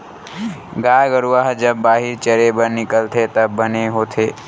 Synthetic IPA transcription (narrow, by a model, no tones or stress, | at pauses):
ɡaːɡəɾuaɦd͡ʒəbːaːɦɪɾt͡ʃəɾebəɾnɪkəlt̪ʰet̪ɐbːəneɦoːt̪ʰeː